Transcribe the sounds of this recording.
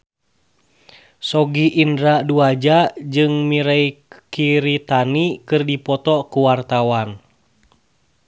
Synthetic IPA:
sɔɡiʔːndɾaduad͡ʒad͡ʒɨŋmiɾaikiɾit̪anikɨrdipɔt̪ɔkuwart̪awan

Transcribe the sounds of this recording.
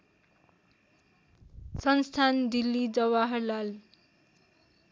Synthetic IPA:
sʌnst̪ʰand̪ilːid͡zʌwaɦʌɾlal

